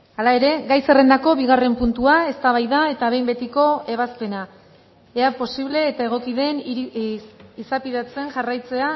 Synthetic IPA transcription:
alae̞ɾe̞ɡajse̞re̞nd̪ako̞βiɣ̞are̞mpunt̪uae̞st̪aβ̞ajðae̞t̪aβe̞jmbe̞t̪iko̞e̞β̞aspe̞na | eapo̞siβ̞le̞ːt̪ae̞ɣ̞o̞kiðe̞n | isapiðat͡se̞ŋʝarajt͡se̞a

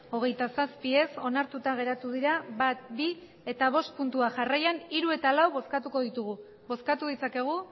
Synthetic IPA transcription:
o̞ɣ̞e̞jt̪asaspie̞so̞naɾt̪ut̪aɣe̞ɾat̪uðiɾaβat̪̚bi | e̞t̪aβ̞o̞st̪̚punt̪uaʝarajaniɾue̞t̪alawβo̞skat̪uko̞ðit̪uɣu | βo̞skat̪uðit͡sake̞ɣ̞u

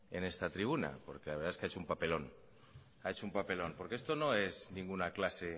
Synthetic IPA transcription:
e̞̰ne̞st̪at̪ɾiβuna̰po̞̰ɾkelaβɾðaeskeaet͡ʃoumpape̞lo̞n | ae̞t͡ʃo̞umpape̞lo̞npo̞ɾkee̞st̪ono̞e̞znĩŋɡunaklase̞

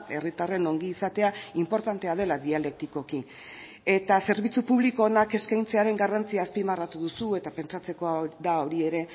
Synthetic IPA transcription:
e̞̰rit̪are̞no̞ŋɡiːsat̪e̞aimpo̞ɾt̪ant̪e̞að̞e̞laðiale̞k̚t̪iko̞ki | e̞t̪ase̞ɾβit͡supuβlikoːnake̞skajnt͡se̞aɾe̞ŋɡarant͡siaːspimarat̪uðusue̞t̪ape̞nt͡sat͡se̞ko̞ðao̞ɾie̞ɾe̞

